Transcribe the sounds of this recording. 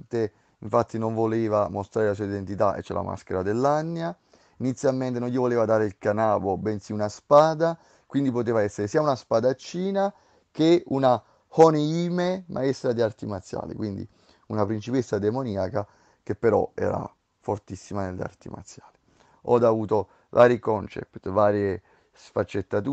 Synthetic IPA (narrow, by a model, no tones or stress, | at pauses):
t̪e | iɱfat̪ːinoɱvoleːvamost̪ɾaːɾelasuːaid̪ent̪it̪aʔḛt͡ʃːɛ̰la̰ma̰skeɾad̪elːanːja | init̪sːjalment̪̬enõnʎivoleːvad̪aːɾeilkanaːbobɛnsiunaspaːd̪a | kwind̪ipot̪̬eːvaɛsːeɾesiːaunaspaːd̪at͡ʃːiːna | keuna | honeiːmemʔa̰est̪ɾad̪iart̪imat̪sːja̰ːlḭkwind̪ḭ | unapɾint͡ʃipesad̪emoniːaka | k̟epːeɾɔ̰ɛ̰ːɾa̰ | fort̪isːimanelːḛa̰rt̪ḭma̰t̪sːjaːli | ɔd̪avuːt̪o | vaːɾikɔnt͡ʃɛ̰pt̪vaːɾje | sfat͡ʃːet̪ːat̪u